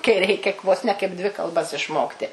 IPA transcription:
kɐɪ ˈrʲɛɪkʲɛ ʋoːs nʲɛ kɐɪp ˈdʲʋʲɪ kɐlˠˈbɐs ɪʃˈmoːktʲɪ

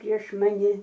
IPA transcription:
pʲrʲiɛʃ mɐˈnʲɪ

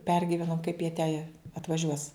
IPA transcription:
ˈpʲɛrʲɡʲɪʋʲɛnoːm kɐɪp jiɛ tʲɛ ɐtʋɐˈʒʲuɔs

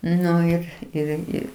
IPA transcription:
ˈnʊ ɪr ɪr ˈɪrʲɡʲɪ

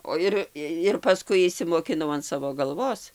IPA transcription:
oː ˈɪr ɪr pɐˈskʊɪ ɪʃʲsʲɪmoːkʲɪˈnɐʊ ɐn ˈsɑːʋoː ɡɐlˠˈʋoːs

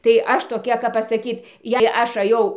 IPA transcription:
tɐɪ ˈɐʃ toːˈkʲɛ kɐp pɐsɐˈkʲiːt jɛɪ ˈɐʃ ɐˈjɛʊ

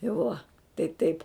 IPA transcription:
ɪ ˈʋuɔ tɐɪ ˈtɐɪp

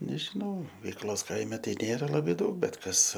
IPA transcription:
nʲɛʒʲɪˈnɐʊ ʋʲɛɪkˈlˠoːs ˈkɐɪmʲɛ ˈtɐɪ ˈnʲeːrɐ ˈlˠɑːbʲeː ˈdɐʊk ˈbʲɛt ˈkɐs

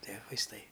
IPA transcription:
ˈtʲiɛ ʋɐɪsˈtɐɪ

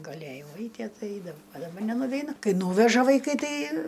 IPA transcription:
ɡɐˈlʲeːjɛʊ ˈɐɪtʲiɛ ˈtɐɪ ˈɐɪdɐʋɐʊ ɐ dɐˈbɐ nʲɛnʊʋʲɛɪˈnʊ ˈkɐɪ ˈnuːʋʲɛʒɐ ʋɐɪˈkɐɪ ˈtɐɪ

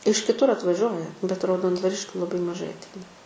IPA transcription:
ɪʃ kʲɪˈtʊr ɐtʋɐˈʒʲuɔjɛ bʲɛt rɐʊdoːndʋɐˈrʲɪʃʲkʲuː lˠɐˈbɐɪ mɐˈʒɐɪ ɐtʲˈɛɪnɐ

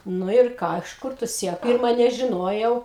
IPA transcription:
ˈnʊ ɪr ˈkɑː ɪʃ ˈkʊr tʊ ˈsʲiɛklˠ ˈpʲɪrmɐ nʲɛʒʲɪˈnoːjɛʊ

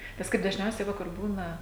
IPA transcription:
nʲɛs ˈkɐɪp dɐʒʲˈnʲɛʊsʲɛɪ ˈʋɐ kʊr ˈbuːnɐ

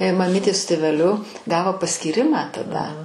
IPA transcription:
mɐˈmʲiːtʲeː sʊ tʲeːʋʲɛˈlʲʊ ˈɡɑːʋoː pɐsʲkʲiːˈrʲɪmɑː tɐˈdɐ

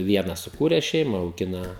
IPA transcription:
ˈʋʲiɛnɐs sʊˈkuːrʲɛs ˈʃʲɛɪmɐ ɐʊˈɡʲɪnɐ

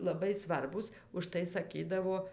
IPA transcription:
lˠɐˈbɐɪ ˈsʋɐrbuːs ʊʃˈtɐɪ sɐˈkʲiːdɐʋoː

